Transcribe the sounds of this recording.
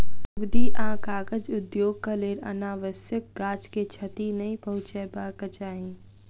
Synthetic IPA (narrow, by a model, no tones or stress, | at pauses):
ʊɡd̪iːʔãːkaːɡəd͡ʒʊd̪joːɡ̚kəleːɾɐ̰naːʋəsjək̚ɡaːd͡ʒket͡ʃʰɐt̪inɐĩpɐɦʊ̃t͡ʃɛbaːkət͡ʃaːɦĩː